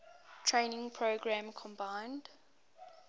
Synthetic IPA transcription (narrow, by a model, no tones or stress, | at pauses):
tʰɹẽɪnɪ̃ŋpʰɹoɡɹæ̃mkʰɔ̃mbãɪ̃nd̥